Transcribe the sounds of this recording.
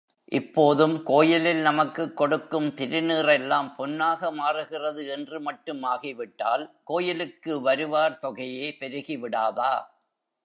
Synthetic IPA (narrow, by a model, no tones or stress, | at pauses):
ʔɪpːoːðɯmkoːjɪlɪlnɐmɐkːɯkːɔɽɯkːɯmt̪ɪɾɯniːrɛlːaːmpɔnːaːɣɐmaːrɯɣɪrɐðɯɛndrɯmɐʈːɯmaːɣiʋɪʈːa̰ːlkoːjɪlɯkːɯʋɐɾɯʋaːɾt̪ɔɣɐjeːpɛɾɯɣiʋɪɽaːðaː